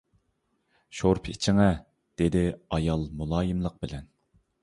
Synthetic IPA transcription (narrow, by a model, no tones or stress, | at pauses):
ʃoɾpʰit͡ʃʰɪŋɛ | d̪̥ed̪ɪɑjɑlˠmulˠɑːjɨmlˠəq̚bɪlɛn